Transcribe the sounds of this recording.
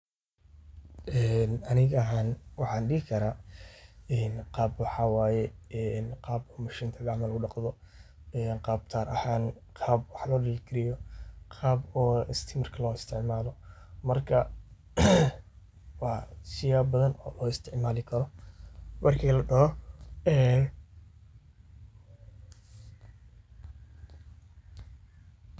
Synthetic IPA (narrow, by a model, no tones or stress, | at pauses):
ʔɛːnɐnɪɣɐɐɦaːnwɑħɑːnɖɪɦɪkʰɐɾaː | ɛːnqɑːbwɑħɑwaːjɛɛnqɑːbɔːmɐʃiːnt̪ʰɐdɑʕmɐlʊɖɑqðɔ | ɛːnqɑːb̚t̪ʰaːɾʔɐhaːn | qʰɑːbwɑħlɔːɖɪlɪɡʰɪɾɪjɔqʰɑːbɔːɪst̪ʰɪmɐrkʰɐlɔːɪst̪ʰɪʕmaːlɔmɐrkʰɐ | wɑːsɪjaːbɐðɐnɔ̰ːlɔːɪst̪ʰɪʕmaːlɪkʰɐɾɔ | mʔɐrkʰiːlɐɖɐɦɔɛːn